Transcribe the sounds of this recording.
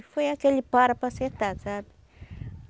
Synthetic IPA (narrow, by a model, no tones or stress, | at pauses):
fejakelipaɾapaset̪at͡sabi̥